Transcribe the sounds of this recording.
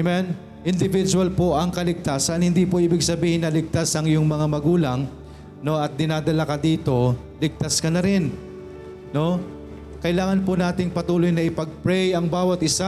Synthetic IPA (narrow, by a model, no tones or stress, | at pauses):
mɛn | ʔɪnd̪ɪvɪd͡ʒʊɐlpoʔɐŋkɐlɪɡ̚t̪aːsɐnhɪnd̪iːpoʔiːbɪɡsɐbiːhɪnːɐlɪɡ̚t̪asɐŋjʊŋmɐŋamɐɡuːlɐŋ | no̞ʔɐt̪̚d̪ɪnaːd̪ɐlakɐd̪iːt̪o̞ | lɪɡ̚t̪askɐnɐɾɪn | no̞ | kɐʔɪlaːŋɐnponaːt̪ɪŋpɐt̪uːlojnɐʔɪpɐɡ̚pɹɛjɐŋbaːwɐt̪ʔɪsa